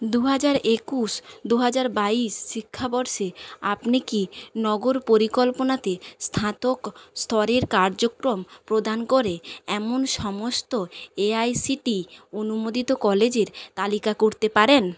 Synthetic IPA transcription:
d̪uɦad͡ʑaɾekuʃd̪uɦad͡ʑaɾbaiʃʃikʰːabɔɾʃea̰pnikinɔɡoɾpoɾikolponat̪est̪ʰat̪okst̪ʰɔɾeɾkaɾd͡ʑokɾompɾod̪ʱankoɾeɛmonʃɔmost̪oeajsiʈionumod̪it̪okɔled͡ʑeɾt̪alikakoɾt̪epaɾen

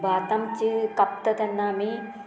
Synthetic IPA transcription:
baːt̪ɐmt͡ʃikɐp̚t̪ɐt̪ɐnːaːmi

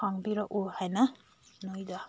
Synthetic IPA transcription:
aŋbiɾɔʔuhajna | nojd̪a

